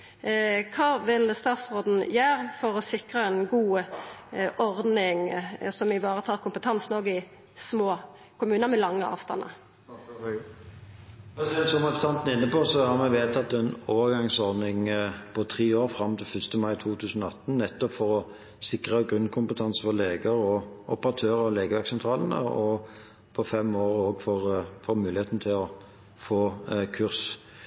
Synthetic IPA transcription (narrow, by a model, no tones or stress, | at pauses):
kʰɑːʋɪlst̪ɑːt̪sʁoːd̪n̩jøːʁfɔʁɔsɪkʁəɛnɡuːə | ʔɔʁd̪nɪŋsɔmɪʋɑːʁət̪ʰɑːʁkʰʊmpət̪ʰɑnsnoːɡəɪ | smoː | kʰʊmʉːnəʁmɛlɑŋːəɑ̰ːʋst̪ɑ̰nːə̰ | pɛsɛnsɔmɛst̪ɑnt̪n̩ɪnːəposɔhɑʁmɛʋeːt̪ʰɑt̪̚d̪ɛɛnoːʋəʁɡɑŋsɔʁnɪŋpʰɔt̪ʰʁiːoːʁfʁɑmːt̪ʰɪlfʏst̪əmɑɪt̪ʰuːt̪ʰʉːsənɔɑt̪ːn̩nɛt̪ːɔpfɔʁɔ | sɪkʁəəɡʁʉnkʰʊmpət̪ʰɑnsəfɔʁleːɡəʁɔʔʊpəʁɑt̪ʰøːʁəɔleːɡəʋæksɛnt̪ʰɾɑːlənə̰ɔ | pʰɔfɛmːoːʁoːɡfɔʁfoːɾmʉːlɪeːt̪nt̪ʰɪlɔ | foːkʰʉʁs